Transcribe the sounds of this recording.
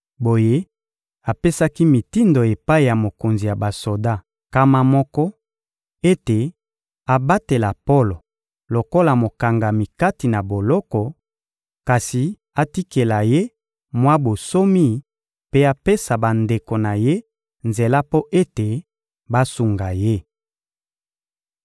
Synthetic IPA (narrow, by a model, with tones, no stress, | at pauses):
bo˨je˦ | a˨pe˦sa˦ki˦mi˨ti˦ndo˨e˨pa˦i˨ja˨mo˨ko˨nzi˨ja˨ba˨so˨da˦ | ka˦ma˦mɔ˦kɔ˦ | e˦te˨ | a˨ba˦te˨la˨po˦lo˨ | lo˨ko˦la˨mo˨ka˨ŋɡa˨mi˨ka˦ti˨na˨bo˨lɔ˦kɔ˨ | ka˨si˨ | a˨ti˦ke˨la˨je˦ | mwa˦bo˨so˦mi˦ | pe˦a˨pe˦sa˨ba˨nde˨ko˨na˨je˦ | nze˨la˦po˦ʔe˦te˨ | ba˦su˨ŋɡa˨je˦